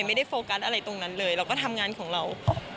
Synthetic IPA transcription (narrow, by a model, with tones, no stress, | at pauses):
jma˥˩jda˥˩jfoː˧ka˦˥sʔa˧ɾa˧jt̪o˧ŋna˦˥nlɤː˧jɾaː˧wkɔː˥˩t̪ʰa˧mŋaː˧nkʰɔː˩˦ŋɾa˧w